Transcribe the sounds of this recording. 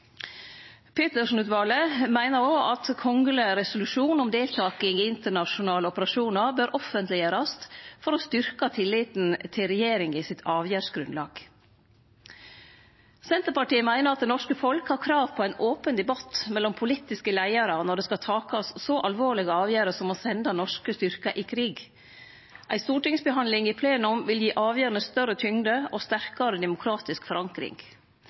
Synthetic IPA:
pʰɪt̪əʂn̩ʉːt̪ʋɑːləmæɪnəɾoːʔɑt̪kʰɔŋɡələɾɛsʊlʉʃuːnɔmd̪eːlt̪ʰɑːkɪŋiɪnt̪əɳɑʂʊnɑːləɔpəɾɑʂuːnɑɾbøːɾʔɔfənt̪lɪəɾɑst̪fɔɾoːst̪ʏɾkɑt̪ʰɪlːɪːt̪nt̪ʰɪlɾɛjeːɾɪŋɪsɪt̪ʰɑːʋjæːʂɡɾʉnlɑ̰ːɡ̥ | sɛnt̪əɾpɑʈiːəmæɪnəɾɑt̪̚d̪ɛnɔʂkəfɔlkhɑɾkʰɾɑːʋpʰɔæɪnoːpənd̪ɛbɑt̪mɛlːɔmpʰʊlit̪ɪskəlæɪɑɾɑnɔɖɛːskɑt̪ʰɑːkɑsːɔʔɑlʋoːɭɪɡəɑːʋjæːɾəsɔmoːsɛnd̪ɑnɔʂkəst̪ʏɾkɑʔɪkʰɾiːɡ | ʔæɪst̪uːʈɪŋsbəɦɑnlɪŋɪpʰleːnʊmʋɪljiːʔɑːʋjøːɾɑnəst̪œrət̪ʰʏŋd̪əoːst̪æɾkɑɾəd̪ɛmʊkʰɾɑːt̪ɪskfɔɾʔɑŋkɾɪ̰ŋ

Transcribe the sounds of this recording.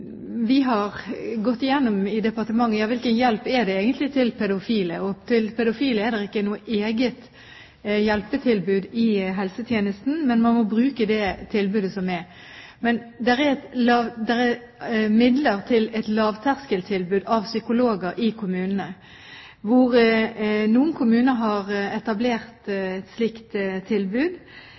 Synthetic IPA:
ʋɪɦɑʁɡɔt̪ːɪjɛnːʊmɪd̪ɛpɑʁt̪əmɑŋːəjɑːʋɪlkənjɛlpɛd̪ɛeːɡənt̪lɪt̪ʰɪlpʰɛd̪ʊfiːləɔt̪ʰɪlpʰɛd̪ʊfiːləɛd̪ɛʁɪkːənuːəʔeːɡət̪ | jɛlpət̪ʰɪlbʉːd̪ɪɦɛlsət̪ʰjeːnəst̪n̩mɛnmɑnmɔbʁʉːkəd̪ɛt̪ʰɪlbʉːd̪əsɔmɛɾ | mɛnd̪ɛʁɛt̪ɑd̪ɛʁɛ | mɪd̪ləʁt̪ʰɪlɛt̪lɑːʋt̪ʰæʁskəlt̪ʰɪlbʉːd̪ɑʋsʏkʊloːɡəɾʔɪkʰʊmʉːnənə | ʋʊʁ | nuːənkʰʊmʉːnəɦɑʁɛt̪ɑbleːʁt̪ɛt̪slɪkt̪t̪ʰːɪlbʉːd̪

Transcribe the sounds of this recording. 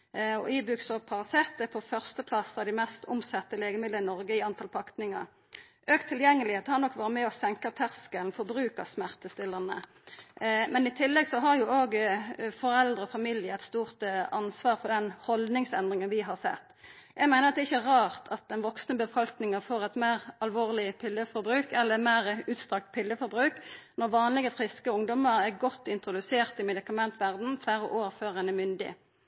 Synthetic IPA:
ɔiːbʉksɔpʰɑʁsɛt̪ːəpʰɔfœʁst̪əpʰlɑsːɑʋd̪ɪmɛst̪ʰʊmsɛt̪ːəleːɡəmɪd̪əɪnɔɾɡəɪɑnt̪ʰɑlpʰɑkt̪nɪŋə̰ɾ | ʔøːkt̪ʰːɪljɛŋːəlɪheːt̪əhɑɾnɔkːʋɑːɾəmɛɔsɛŋkɑt̪ʰæʁskəlnfɔɾbʁʉːkəsmæʁt̪əst̪ɪlːənə̰ | mɛnɪt̪ʰɪlːɛɡsɔɦɑɾjʊoːɡfɔɾɛld̪ʁəɔfɑmiljəɛt̪st̪uːʁt̪ɑnsʋɑːʁfɔʁd̪ɛnhɔld̪nɪŋsɛnd̪ʁɪŋənʋɪɦɑʁsɛ̰t̪ː | jæɪɡmæɪnəʁɑt̪d̪ɛːɪçːəʁɑːʁt̪ʰɑt̪̚d̪ɛnʋɔksnəbəfɑlknɪŋəfoːʁɛt̪mæːʁɑlʋoːʁlɪpʰɪlːəfɔɾbʁʉːkɛlːəmæːʁʉːt̪st̪ʁɑk̚t̪pʰɪlːəfɔɾbʁʉːknɔʁʋɑːnlɪɡəfʁɪskəʊŋd̪ɔməɾɛʁɡɔt̪ːɪnt̪ʁʊd̪ʉseːʁt̪ɪmɛd̪ɪkɑmɛnt̪ʰʋæʁd̪n̩fæːɾəʔoːʁføːʁɛnɛmʏnd̪ɪ̰

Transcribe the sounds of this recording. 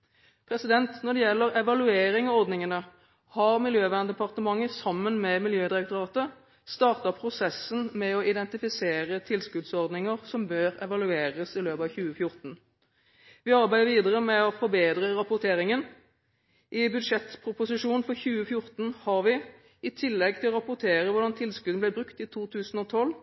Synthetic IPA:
pʰɾɛsɪd̪ɛnt̪nɔʁɖ̪ɛjɛlːəʁɛʋɑlʉeːɾɪŋɑɔʁd̪nɪŋənə | hɑʁmɪljøːʋæːʁnd̪ɛpʰɑʁt̪əmɑŋːəsɑmːənmɛmɪljøːd̪ɪɾɛk̚t̪ʊʁɑːt̪ə | st̪ɑːʁt̪ɑpʰɾʊsɛsːənmɛɔʔɪd̪ɛnt̪ɪfɪseːʁət̪ʰɪlskʉd̪sɔʁd̪nɪŋəʁsɔmbøːʁɛʋɑlʉeːʁəsɪløːpɑʋçʉːəfjʊʁt̪n̩ | ʋɪɑɾbæɪd̪əɾʋiːd̪əʁəmɛɔfɔɾbeːd̪ʁəʁɑpʊt̪ʰeːʁɪŋən | ʔɪbʉd̪ʂɛt̪pʰʁʊpʊsɪʂuːnnfɔçʉːəfjʊʁt̪n̩hɑʁʋɪ | ɪt̪ʰɪlːɛɡ̚t̪ɪlɔʁɑpʊʁt̪ʰeːʁəʋʊʁd̪ɑnt̪ʰɪlskʉd̪nəblæɪbʁʉkt̪it̪ʰuːt̪ʰʉːsən̩ɔt̪ʰɔlː

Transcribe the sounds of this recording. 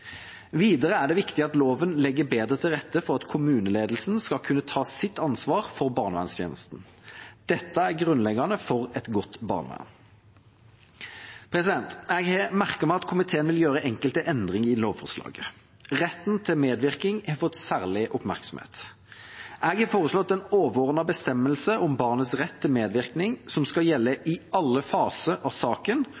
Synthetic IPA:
ʋiːd̪əʁəæʁɖ̪ɛʋɪkt̪ɪɑt̪loːʋənlɛɡːəbeːd̪ʁət̪ʰɪlʁɛt̪ːəfɔʁɑt̪kʰʊmʉːnəleːd̪əl̩sn̩skɑlkʰʉnːət̪ʰɑːsɪt̪ːɑnsʋɑːʁfɔʁbɑːʁnʋæ̰nst̪ʰjḛːnəst̪n̩ | d̪̥ɛt̪ːəæʁɡʁʉnlɛɡɑnəfɔʁɛt̪ɡɔt̪ːbɑ̰ːʁnʋæ̰n | pʰɾɛsɪd̪ɛnt̪ɛɡhɛmæʁkəʁmæɪɑt̪kʰʊmɪt̪ʰeːənʋɪljøːɾəʔɛŋkəlt̪əʔɛnd̪ʁɪŋɪloːʋfɔʁslɑ̰ːɡə | ʁɛt̪ːn̩t̪ʰɪlmeːd̪ʋɪʁkɪŋhɛfɔt̪ːsæːʁlɪʔʊpmæ̰ʁksɔm̩hḛːt̪ | ʔɛɡhɑfoːʁəslɔt̪ːɛnoːʋoːʁənɑbəst̪ɛmːəlsəʔɔmbɑːʁnət̪sʁɛt̪ʰːɪlmeːd̪ʋɪʁknɪŋsɔmskɑljɛlːəʔɪɑlːəfɑːsəʔɑsɑːkən

